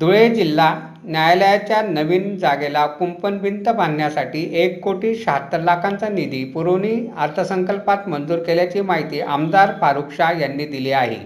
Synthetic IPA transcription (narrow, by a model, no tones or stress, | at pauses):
d̪ʱuɭed͡ʑilːa | njajləjat͡ɕjanəʋiːnd͡zaɡelakumpənʋint̪əbannjasaʈiːʔekːoʈiːɕaɦat̪ɾəlakʰãnt͡sanid̪iːpuɾoɽ̃iːəɾt̪ʰəsəŋkəlpat̪mənd͡zuːɾkeljat͡ɕiːmaɦit̪iːʔa̰md̪aɾpaɾukʂajanːiːd̪iliaɦḛ